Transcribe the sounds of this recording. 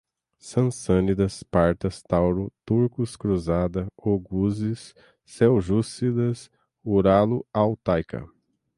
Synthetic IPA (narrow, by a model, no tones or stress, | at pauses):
sɐ̃sɐ̃nid̪ɐspaɾt̪ɐst̪awɾʊt̪uɾkʊskɾuzad̪ɐoɡuzisː | ɛwʒusid̪ɐs | uɾalʊawt̪ajkʰɐ̰